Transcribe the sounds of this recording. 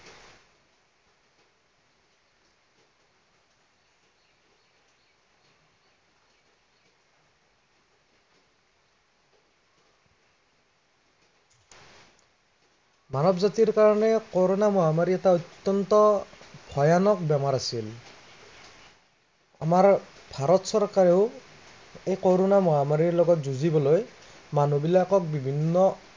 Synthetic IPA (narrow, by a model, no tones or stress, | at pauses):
manɔbzatiɹkaɹɔnɛkɔɹonamɔamaɹiɛtaɔt̪ːɔntɔbʱɔjanɔk̚bɛmaɹasil | a̰maɹ | bʱaɹɔtsɔɹkaɹeʊ | ejkɔɹonamɔamaɹiɹlɔɡɔtzuzibɔloj | manobilakɔk̚bibʱinːɔ